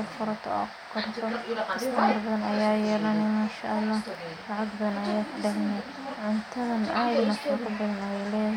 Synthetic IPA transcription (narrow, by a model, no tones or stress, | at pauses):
ɐfʊɾɐt̪ʰɔ̰a̰ | kʰɐrt̪ʰɔɐsɐmɐrbɐðɐnɐjaːjɛːlɐnɛmaːʃɐʔɐlːɑːhlɐʕɑɡbɐðɐnɐjaːkʰʊɖɛʕnɛ | ʕʊnt̪ʰɐðɐnaːnɐfʊkɐbɐðɐnɐjlɛːðɐ